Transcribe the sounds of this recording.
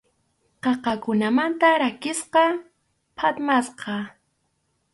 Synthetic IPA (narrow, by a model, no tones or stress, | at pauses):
qɑqɑkʊnamant̪aɾakɪsqɑ | pʰat̪masqɑ